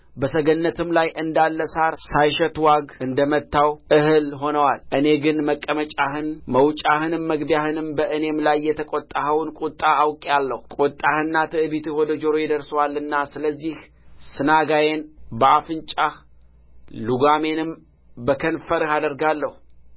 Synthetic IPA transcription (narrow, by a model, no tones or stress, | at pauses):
bəsəɡənːət̪ʰɨmlajʔɨnd̪alːəsaɾsajʃɛt̪waɡɨnd̪əmət̪ːawʔɨhɨlɦo̞nəwalʔɨne̞ɡɨnməkʼːəmət͡ʃʼahɨnməwt͡ʃʼahɨnɨmːəɡbijahɨnɨmbəʔɨne̞mlajːɛt̪ʰəkʼot̪ʼːahəwnkʼut̪ʼːaːwkʼalːəhukʼut̪ʼːahɨnːat̪ʰɨʔɨbit̪ʰɨwɔd̪əd͡ʒo̞ɾojɪd̪əɾsəwalɨnːasɨləzːih | sɨnaɡajenbəafɨnt͡ʃʼah | luɡame̞nɨm | bəkʰənfəɾɨhad̪əɾɡalːəhu